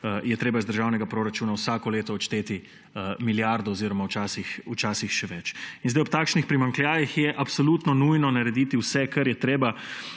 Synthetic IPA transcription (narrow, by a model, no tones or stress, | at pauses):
jɛt̪ɾeːbazd̪əɾʒaːwnɛɡapɾoɾat͡ʃuːnawsaːkɔleːt̪ɔːt͡ʃt̪eːt̪i | miljaɾd̪ɔːziɾɔmawt͡ʃaːsixut͡ʃaːsixʃɛʋɛt͡ʃinzd̪ajɔp̚t̪aːkʃnixpɾimaŋkljaːjixjɛʔapsoluːt̪nɔnujnɔnaɾɛd̪it̪iwsɛkɐɾjɛt̪ɾeːba